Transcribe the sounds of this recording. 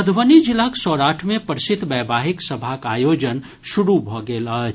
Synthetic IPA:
əd̪ʱʋənid͡ʒilaksɔːɾaːʈʰmẽpəɾsɪt̪bɛːbʱaːɦiksəbʱakaːjoːd͡ʒən | ʃuɽubʱɔɡeːlə

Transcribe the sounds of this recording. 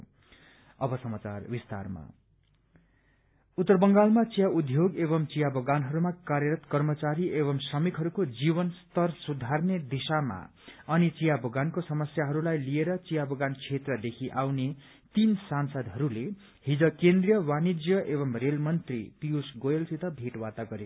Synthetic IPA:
ʌbʌsʌmat͡sa̰rbist̪a̰rma̰ | ut̪ːʌrbʌŋɡalmat͡sijaud̪ʱjoɡeβʌmt͡sijabʌɡanɦʌɾumakarjʌɾʌt̪kʌrmʌt͡saɾiʔeβʌmsʌmikɦʌɾukod͡zibʌnst̪ʌrsud̪ʱarned̪isama̰ | ʌnit͡sijabʌɡankosʌmʌsjaɦʌɾulajlieɾʌt͡sijabʱʌɡant͡sʰet̪rʌd̪ekʰiʔawne | t̪insansʌd̪ɦʌɾule | hid͡zʌkẽnd̪rijʌwanid͡zjʌʔeβʌmrelmʌnt̪rḭp̪ijusɡojelsit̪ʌbʱeʈwat̪aɡʌɾe

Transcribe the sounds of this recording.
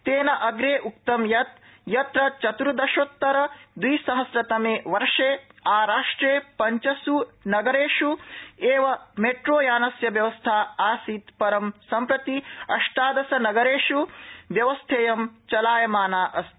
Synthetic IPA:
t̪eːnɐʔɐɡɾeːʔuk̚t̪ɐmjɐt̪̚ | jɐt̪ɾɐt͡ʃɐt̪uɾud̪ɐʃot̪ːɐɾɐd̪wiːsɐɦɐsɾɐt̪ɐmeːʋɐɾʂeːaːɾaːʂʈɾeːpɐɲt͡ʃɐsunɐɡɐɾeːʃueːʋɐmeʈɾoːjaːnɐsjɐʋjɐʋɐst̪ʰaːaːsit̪pɐɾɐmsɐmpɾɐt̪iɐ̰ʂʈaːd̪ɐsɐnɐɡɐɾeːʂuʋjɐʋɐst̪ʰeːjɐmt͡ʃɐlaːjɐmaːnaːʔɐst̪

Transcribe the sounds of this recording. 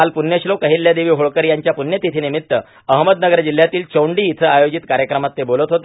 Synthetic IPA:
alpunjəɕlokəɦiljad̪eʋiːɦoɭkəɾjaɲt͡ɕjapunjət̪it̪ʰinimit̪ːə | əɦməd̪nəɡəɾd͡ʑil̤ːjat̪iːlt͡ɕəwɳɖiːit̪ʰəajod͡ʑit̪kaɾjəkɾəmat̪ːebolət̪ɦot̪ə

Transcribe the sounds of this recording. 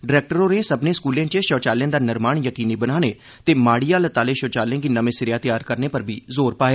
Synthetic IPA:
ɖɪɾɛːk̚ʈəɾõːnesəbnẽːskuːljãːt͡ʃeʃɔːt͡ʃaːljə̃ːd̪aːnɪɾmaːɳjəkiːniːbənaːneː | t̪eːmaːɽiːaːlət̪aːleːʃɔːt͡ʃaːljãːɡiːnəmẽːsɪɾɪjaːt̪ɪjaːɾkəɾneːpəɾbʱiːzoːɾpaːeː

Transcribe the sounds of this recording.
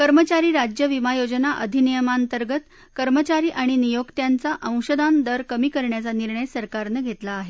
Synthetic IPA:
kəɾmət͡ɕaɾiːɾad͡ʑjəʋimajod͡ʑənaʔəd̪ʱinijəmant̪əɾɡət̪ | kəɾmət͡ɕaɾiːʔaɽ̃inijokt̪jant͡saʔə̃w̃ɕəd̪and̪əɾkəmiːkəɾɳjat͡saniɾɳəjsəɾkaɾnəɡʱet̪laːɦe

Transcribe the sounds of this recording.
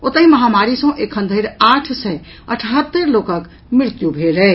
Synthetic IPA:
ot̪əɦĩməɦamaɾisə̃ʔekʰənd̪ʱəjɾaʈʰsəj | əʈʰɦət̪ːəɾlokək | miɾt̪jubʱelɛ

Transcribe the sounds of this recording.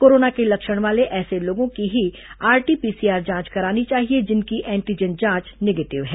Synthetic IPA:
koːɾoːnakelɐkʃəɽ̃ʋaːleʔɛːseloːɡõkiɦi | aːɾʈipiːsiaːɾd͡ʒãːt͡ʃkɐɾaːnit͡ʃaːɦied͡ʒɪnkiʔɛ̃ːɳʈid͡ʒənd͡ʒãːt͡ʃneːɡeːʈɪʋɦɛː

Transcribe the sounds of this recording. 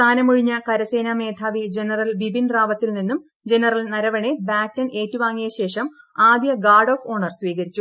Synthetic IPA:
aːnɐmuɻiɲːɐkɐɾɐseːname̞ːt̪ʰaːʋid͡ʑenɐrɐlbibinraːʋɐt̪ːilninːum | d͡ʑe̞nɐrɐlnɐɾɐʋɐɳebaːtːɐneːtːuʋaːŋːijɐɕe̞ːʂɐmaːd̪jɐɡaːɖoːfo̞ːɳɐrsʋiːɣɐɾit͡ɕːu

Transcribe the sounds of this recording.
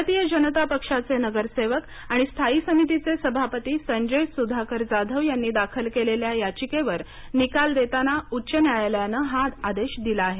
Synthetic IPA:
t̪ijəd͡ʑənət̪apəkʂat͡senəɡəɾseʋək | aɽ̃ist̪ʰaiːsəmit̪̬it͡sesəbʱapət̪iːsəɲd͡ʑəjsud̪ʱakəɾd͡zad̪ʱəʋjanːiːd̪akʰəlkeleljajat͡ɕikeʋəɾ | nikald̪et̪anautːt͡ɕənjajljanəɦãd̪ad̪eɕd̪ilaːɦe

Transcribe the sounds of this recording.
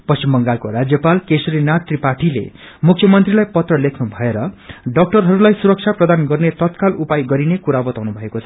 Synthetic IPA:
pʌst͡ɕimbʌŋɡalkoɾad͡zjʌpalkesɾinat̪ripaʈilḛ | mukʰjʌmʌnt̪rilajpʌt̪rʌlekʰnubʱʌeɾʌɖʌk̚ʈʌrɦʌɾulajsuɾʌk̚t͡sʰaprʌd̪anɡʌrnet̪ʌt̪kalupajɡʌɾinekuɾabʌt̪awnubʱʌekot͡sʰʌ

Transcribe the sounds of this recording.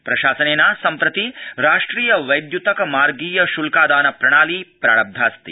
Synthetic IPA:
pɾɐʃaːsɐneːnaːsɐmpɾɐt̪iɾaːʂʈɾiːjɐʋɐjd̪jut̪ɐkɐmaːɾɡiːjɐʃulkaːd̪aːnɐpɾɐɽ̃aːlipɾa̰ːɽɐb̚d̪ʱaːst̪ḭ

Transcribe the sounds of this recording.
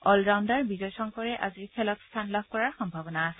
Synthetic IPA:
ɔlɹawndaɹbizɔjsɔŋkɔɹɛʔa̰ziɹkʰɛlɔtst̪ʰanlab̚ʱkɔɹaɹxɔmbʱabɔnaːsɛ

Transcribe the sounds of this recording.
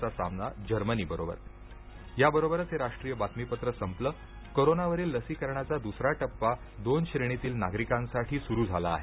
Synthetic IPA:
t͡sasa̰mnad͡ʑəɾməniːbəɾobə̰ɾ | jabəɾobəɾət͡seɾaʂʈɾiːjəbat̪mipət̪ɾəsəmplə | koɾonaʋəɾiːlːəsiːkəɾɳjat͡sad̪usɾaʈəpːa | d̪onɕɾeɽ̃it̪iːlnaɡɾikãnsaʈʰiːsuɾuːd͡zʱala̰ːɦe

